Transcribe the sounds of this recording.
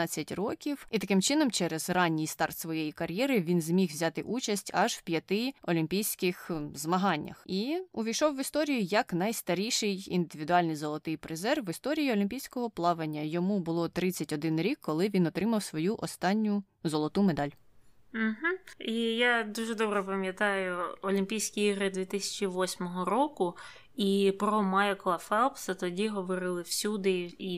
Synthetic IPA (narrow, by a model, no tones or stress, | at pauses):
ɑt͡sʲːɐtʲrɔkʲiwit̪ɐkɪmt͡ʃɪnɔmt͡ʃɛɾɛzrɑnʲːijst̪ɑrt̪sʋɔjejikɐɾʲjɛɾɪʋʲinzmʲixʋzʲɑt̪ɪʔut͡ʃɐsʲtʲɐʒwpʲjɐt̪ɪɔlʲimʲpʲijsʲkɪxzmɐɦɑnʲːɐ̰xiʊʋʲijʃɔwːɪst̪ɔɾʲijʊjɐknɐjst̪ɐɾʲijʃɪjḭnd̪ɪʋʲid̪ʊɑlʲnijzɔlˠɔt̪ɪjpɾɪzɛrʋɪst̪ɔɾʲijiɔlʲimʲpʲijsʲkɔɦɔplˠɑʋenʲːɐjɔmubʊlˠɔt̪ɾɪt͡sʲːɐtʲɔd̪ɪnɾʲikʰːɔlˠɪʋʲinɔt̪ɾɪmɐwsʋɔjuʔɔst̪ɑnʲːʊ | zɔlˠɔt̪umed̪ɑlʲ | m̩ɦ̩ijad̪uʒɛd̪ɔbɾɛpɐmʲjɐt̪ɑjʊɔlʲimʲpʲijsʲkʲiiɦɾɪd̪ʋʲit̪ɪsʲɐ̥t͡ʃʲiʋɔsʲmɔɦɔɾɔkʊ | ipɾɔmajkɔlˠɐfɛlˠpsɐt̪ɔdʲiɦɔʋɔɾɪlˠɪw̥sʲud̪ɪi